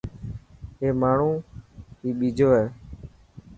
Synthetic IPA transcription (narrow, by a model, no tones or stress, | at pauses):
ɦeːmaːɳ̤ũːɦiːɓiːd͡ʒʱoːɦɛː